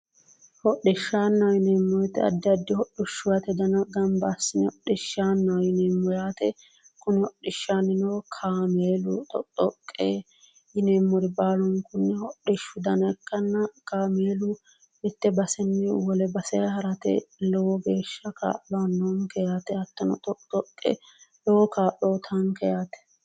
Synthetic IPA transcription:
hɔɗɪʃːaːnːɐwjɪneːmːɔjt̪ːɛɐ̰d̪ːɐd̪ːɪhɔɗːʊʃːʊjɐt̪ɛd̪ɐnɐɡɐmbasːɪnɛɔɗɪʃːaːnːɐwjɪneːmːɔjaːt̪ɛ | kʊnɪhɔɗɪʃːanɪnɔwkʰaːmeːlʊt̪ʼɔ̰t̪ʼɔkʼːeː | jɪneːmːɔɾɪbaːlɔŋkʊnːɛhɔɗɪʃːʊd̪ɐnɐkːɐnːɐkaːmeːlʊ | mɪt̪ːɛbɐsɛnːɛwɔlɛbɐsɛhɐɾɐt̪ɛ̰lɔwɔɡe̞ːʃːɐka̰ːʔɔanːɔŋkɛjaːt̪ɛhɐt̪ːɐnɔ̰t̪ʼɔt̪ʼɔkʼːɛ̰lɔwɔkaːʔoːt̪ʰɐŋkɛjaːt̪ɛ̥

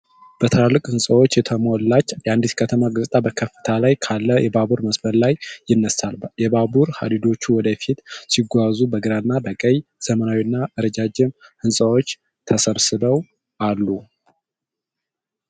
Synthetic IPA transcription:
b̥ət̪ʰɨɾalːɨkʼhɨnsʼəwot͡ʃːjɛt̪ʰəmolːat͡ʃːjand̪iskʰət̪ʰəmaɡəzt̪ʼabəkʰəfːɨ̥t̪ʰalajkʰalːəjɛbabuɾməsbəllajːɪnːəsalbjɛbabuɾha̰d̪id̪o̞t͡ʃːuwɔd̪əfit̪siɡʷazubəɡɨɾanːabəkʼəjz̥əmənawiɨnːaʔɨɾəd͡ʒad͡ʒɪmhɨnsʼəwot͡ʃː | t̪ʰəsəβsɨbəw | ʔalːu

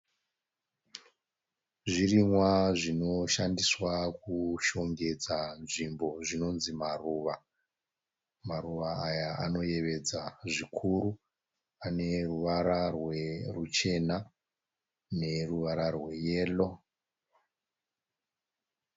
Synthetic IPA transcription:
ʐirimwaʐino̞ʃandiswakuʃo̞ŋɡe̞d͡zanʐimbo̞ʐino̞nzimaruːʋa | maruʋaːjaano̞je̞ʋe̞d͡zaʐikʰuɾu | ane̞ruʋaɾarwe̞rut͡ʃe̞na | ne̞ruʋaɾarwe̞je̞lo̞

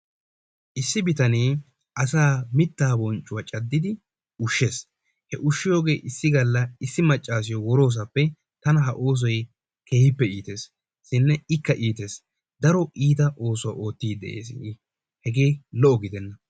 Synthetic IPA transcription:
ʔɪsːɪbɪt̪ɐneː | ʔɐsaːmɪt̪ːaːbɔnt͡ʃʼːʊwɐt͡ʃʼɐd̪ːɪd̪ɪ | ʊʃːe̞ːs | hɛʔʊʃːɪjo̞ːɡe̞ːʔɪsːɪɡɐlːɐɪsːɪmɐt͡ʃʼːaːs̬ɪjɔwɔɾo̞ːs̬ɐpːɛ | t̪ɐnɐɦɐʔo̞ːs̬ɔj | ke̞ːhɪpːɛiːt̪e̞ːs | sɪnːɛɪkːɐʔiːt̪e̞ːs | d̪ɐɾɔiːt̪ɐʔo̞ːsɔwɐʔo̞ːt̪ːiːd̪ɛ̰ʔe̞̰ːs | hɛɡe̞ːlɔʔɔɡɪd̪ɛnːɐ

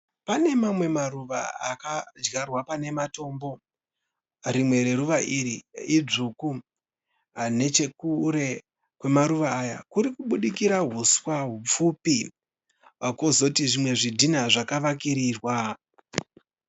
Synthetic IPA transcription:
pane̞mamwe̞maruʋa̰akad͡ʒɡarwapane̞mato̞ːmbo̞ | ɾimwe̞ɾe̞ɾuʋaʔiɾiid͡zuku | ane̞t͡ʃe̞kuɾe̞ | kwe̞maɾuʋaːja̰kuɾikuɓuɗikiɾaɦuswaɦup͡fupi | kozo̞tiʐimwe̞ʐidʱinaʐakaʋak̬iɾiːrwa

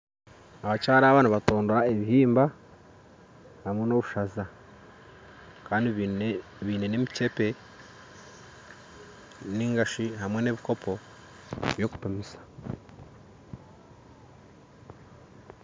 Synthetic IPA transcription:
aβacaːɾaːβaːnaβato̞ːndoɾaeβihiːmba | hamwe̞no̞βuʃaza | kaːndi | βiːne̞nemice̞pe̞ | niːŋɡaʃiɦamwe̞ne̞βiko̞pʰo̞ | βjo̞ku̥pemisḁ

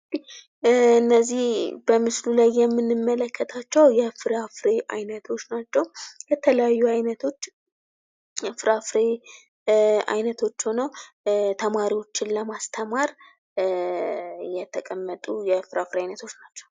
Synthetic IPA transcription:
ih | ɨnːəzːihbəmɨslulajːɛmːɨnːɨmːələkʰːət̪ʰat͡ʃːɛwjɛfɨɾafɾeʔa̰jnət̪ʰo̞t͡ʃːnat͡ʃːɛwkɛt̪ʰələjajːuajnət̪ʰo̞t͡ʃː | jɛfɨɾafɾe | a̰jnət̪ʰo̞t͡ʃːhonəw | t̪ʰəmaɾiwo̞t͡ʃːɪnləmast̪ʰəmaɾ | jɛt̪ʰəkʼəmːət̪ʼujɛfɨɾafɾeajnət̪ʰo̞t͡ʃːnat͡ʃːɛ̥w

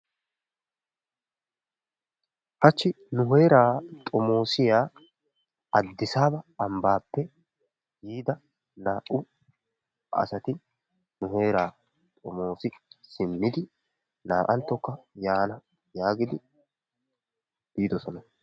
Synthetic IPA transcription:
hɐt͡ʃːɪ | nʊɦe̞ːɾaːt̪ʼɔmo̞ːsɪjaː | ɐd̪ːɪsaːbɐːmbaːpːɛ | jiːd̪ɐ | naːʔʊ | ʔɐ̰sɐt̪ɪ | nʊɦe̞ːɾaː | t̪ʼɔmo̞ːsɪsɪmːɪd̪ɪ | naːʔɐnt̪ːɔkːɐjaːnɐ | jaːɡɪd̪ɪ | b̥iːd̪ɔsɔnɐ

